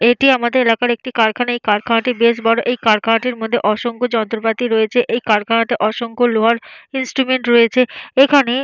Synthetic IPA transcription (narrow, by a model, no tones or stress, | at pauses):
eʈiamad̪eɾelakaɾek̚ʈikaɾkʰanaejkaɾkʰaaʈibeʃbɔɽoʔejkaɾkʰaaʈiɾmod̪ʱːeʔɔʃoŋkod͡ʑɔnt̪ɾopat̪iɾɔet͡ɕʰeʔejkaɾkʰaɳat̪eʔɔʃoŋkoloaɾinsʈɾumeɳʈɾɔet͡ɕʰeekʰane